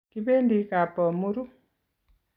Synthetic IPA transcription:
ki˦be˦ndi˨˦ka˨pɔ˨mu˦ɾu˦

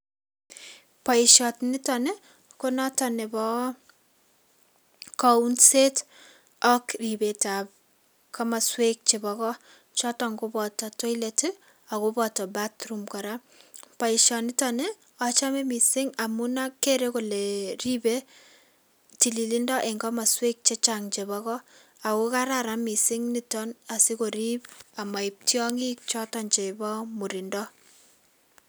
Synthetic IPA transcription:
pɔ˨iʃɔ˨tnɪ˦tɔ˨ne˦ | ko˦nɔ˦tɔ˨ne˨bɔ˦ | kɔunse˦t | ɔ˦kribe˨ta˨p̚ | kʰa˦ma˨swe˦k̚t͡ʃebɔkɔ˦ | t͡ʃɔtɔ˨ŋɡobɔ˨tɔtɔ˦i˦leti | a˨kobɔtɔ˨ba˦tɾumkɔ˨ɾa | pa˨i˨ʃɔ˨ni˦tɔ˦ne˦ | ɔ˨t͡ʃa˦me˦mi˨sɪ˦ŋa˨mu˦na˦kːe˦ɾe˦ko˨le˨ri˦be˦ | ti˨li˨li˦ndɔ˦ʔe˨ŋɡɔ˦ma˨swe˦k̚t͡ʃe˦t͡ʃaŋt͡ʃe˨βɔ˦kɔ˦ | a˨ko˦ka˦ɾa˨ɾa˦mi˨sɪ˦ŋni˦tɔ˦na˨si˦ko˨ɾi˦pa˨ma˨i˨p̚tjɔ˦ŋi˦k̚t͡ʃɔ˦tɔ˦nt͡ʃe˨bɔ˦mu˨ɾi˨ndɔ˦

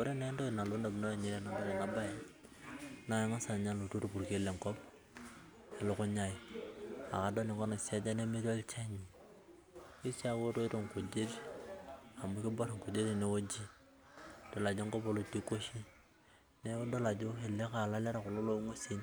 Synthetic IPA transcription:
ko˦ɾe˦ne˦ndo˦˨na˨lo˦ndo˨bno˦ja˨ɲe˦ɾe˦na˨nda˦le˨na˦ba˦je˦ | na˨˦jŋa˦sa˨ɲa˦lo˨to˦ɾu˨pu˨ɾke˦le˨ŋkɔ˦p̚ | e˨lʊ˦kʊ˦ɲa˦ji˨ | a̰˨ka˨do˦li˨ŋkɔ˦na˨sa˦d͡ʒa˦ne˦mi˦ɾo˦lt͡ʃa˦ɲi˨ | i˦sa˦wo˦to˦ɾo˦˨ŋku˨d͡ʒe˦ɾ | a˨mu˨˦ki˦bo˦ɾŋ˨ku˨d͡ʒe˦ɾi˨ne˨˦wo˦d͡ʒi˦ | d̥o˨la˨d͡ʒo˦ŋkɔ˦po˨˦lo˦˨ti˦ko˦ʃi˦ | ne˦do˦la˨d͡ʒʊ˦e˨le˦ka˨la˦le˦ɾa˨kʊ˨lo˦lo˦ŋo˦si˦n

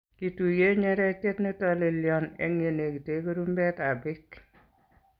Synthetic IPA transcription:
kitu˨je˦ɲɛ˦ɾɛ˦tetnetɔle˨ljɔnḛŋe˨ne˨ki˨te˦ku˦ɾumbɛ˦ta˨bɪk

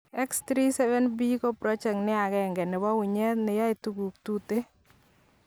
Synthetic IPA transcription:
ɛ˦kst̪ɾi˦sɛ˦vɛ˦nbi˦ko˦pɾɔ˦t͡ʃɛ˨knɪ˦a˨ɡɛ˨ŋɡɛ˨nɪ˨ba˦wʊ˨ɲɛ˦t̪nɪ˨ja˦ɪ˨tu˨ɡu˨k̚tu˦te˦

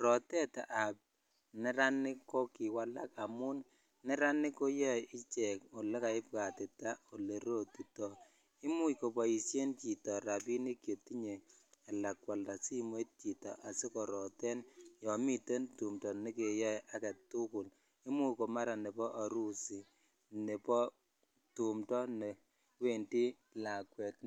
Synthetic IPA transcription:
ɾɔ˨tɛ˦ta̰˨ʔa˨p̚ | nɛ˨ɾa˦nɪ˦kːɔ˦ki˨wa˦la˦ka˨mu˦n | nɛ˦ɾa˦nɪ˦ko˦jɔ˦ɪ˦t͡ʃɛ˨ko˨le˦ka˨ɪ˦p̚ka˨te˨ta˦o˨le˨ɾo˦˨ti˨tɔ˨ | i˦mu˦jko˨pɔ˨ji˨sje˦nt͡ʃi˨tɔ˨ɾa˨pi˦ni˦kje˨ti˦ɲe˨ | a˨la˨kwa˨lda˨si˦m˦e˦t̚t͡ʃi˨tɔ̰˨ʔa˨se˦kɔ˨ɾɔ˨tɛ˦njɔ˨mi˦te˦ntu˨mtɔ˨ne˦ke˨jɔ˦ja˦ka˨tu˦kʊ˨l | i˦mu˦jko˨ma˦ɾa˨ne˨bɔ˦ʔa˨ɾu˦si˨ | ne˨pɔ˦ | tu˨mtɔ˦ne˨ | we˦ndi˦ | la˨kwɛ˨t

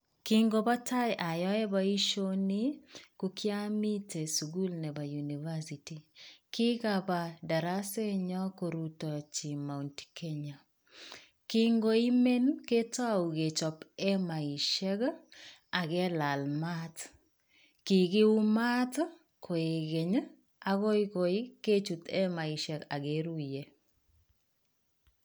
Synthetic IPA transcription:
ki˦ŋɡo˨ba˦ta˦jʔa˨jɔ˦ɛ˦ba˦i˦ʃo˦ni˦ku˦kja˦mi˦te˨su˨ɡu˦lnɛ˨ba˨ju˨ni˨va˦si˨ti˨kɪ˦kaba˨da˨ɾa˦se˦ɲɔ˦ko˨ɾu˨tɔ˨t͡ʃi˨ma˨untke˦ɲa˨ | kiŋɡo˨i˦me˦nke˦ta˦u˨ɡe˨t͡ʃɔ˨pɛ˦ma˨i˨ʃɛ˦ɡ | a˨ɡɛ˦la˨lma˦t | ki˨ɡɪ˦u˦ma˦t | kʰo˨e˨ɡe˨ɲ˦ | a˨ɣo˦ɪko˨i˦ke˦t͡ʃu˨t̪ɛ˦ma˨i˨ʃɛ˨ka˨ɡe˦ɾu˦je˨

